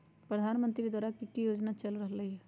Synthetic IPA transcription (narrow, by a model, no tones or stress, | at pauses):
pɾəd̪ʱaːnmə̃nt̪ɾid̪waːɾakikijoːd͡ʒnat͡ʃəlɾəɦləiɦɛ